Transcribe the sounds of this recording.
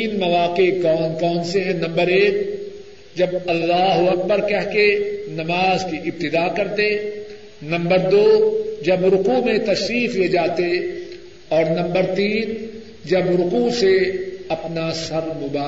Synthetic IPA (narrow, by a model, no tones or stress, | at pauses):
iːnmɐʋaːqekɔːnkɔːnseɦɛ̃nɐ̃mbəɾeːk | d͡ʒɐbɐlːaːɦuɐk̚bəɾkɛɦkenɐmaːzkiʔɪb̚t̪ɪd̪aːkɐɾt̪e | nɐ̃mbəɾd̪oːd͡ʒɐbɾʊkumẽt̪ɐʃɾiːfied͡ʒaːt̪e | ɔːɾnɐ̃mbəɾt̪iːn | d͡ʒɐbɾʊkuseɐpnasɐɾmʊbaː